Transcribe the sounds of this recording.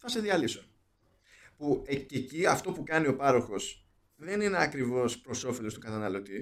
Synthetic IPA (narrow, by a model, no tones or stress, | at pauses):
θɐse̞ðiɐlipso | puececiɐft̪o̞pukɐnio̞pɐɾo̞xo̞s | ðe̞nineɐkɾivo̞spɾo̞so̞felo̞st̪ukɐt̪ɐnɐlo̞t̪i